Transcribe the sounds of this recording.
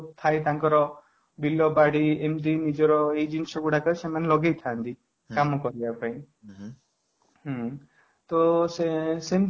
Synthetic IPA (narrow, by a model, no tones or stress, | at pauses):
t̪ʰajt̪aŋkɔɾɔ | bilɔbaɽiemt̪̬inid͡ʒɔɾɔejd͡ʒinisɔɡuɽakɔsemanelɔɡejt̪ʰant̪i | kamɔkɔɾibapaĩ | ɦɔ̃ | t̪osesem